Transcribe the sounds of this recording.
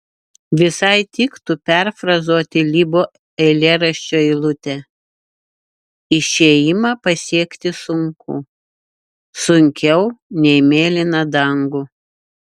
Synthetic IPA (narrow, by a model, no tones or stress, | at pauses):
ʋʲɪsɐɪt̪ʲɪkt̪ʊpʲɛɾfɾɐzoɔt̪ʲɪlʲibo | ɛlʲeːɾɐʃʲt͡ʃʲoːɪlˠʊt̪ʲɛ | ɪʃʲeːjɪmɐpɐsʲiɛkt̪ʲɪsʊŋkʊ̰ | sʊŋʲkʲɛʊnʲɛɪmʲeːlʲɪnɐd̪ɐŋɡʊ